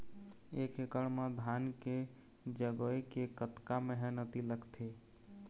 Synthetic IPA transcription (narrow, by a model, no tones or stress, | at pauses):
ekekəɽmed̪ʱanke | d͡ʒəɡoekekət̪kaməɦɛnət̪iləkt̪ʰe